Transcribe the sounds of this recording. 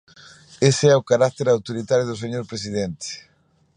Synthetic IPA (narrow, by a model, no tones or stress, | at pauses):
eseɛʊkaɾak̚t̪eɾawt̪oɾit̪aɾjʊðʊseɲoɾpɾesiðent̪ɪ̥